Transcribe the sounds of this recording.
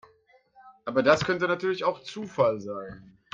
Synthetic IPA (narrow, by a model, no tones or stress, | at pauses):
ʔaːbɐdaskʰœntənatʰyːɐlɪçaʊxt͡suːfalzaɪn